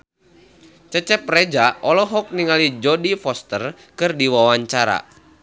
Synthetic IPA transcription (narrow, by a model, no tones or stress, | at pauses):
t͡ʃət͡ʃɛp̚rɛd͡ʒaʔɔlɔɦɔk̚niŋalid͡ʒɔdifɔst̪ər | kɨrdiwawaɲt͡ʃaɾa̰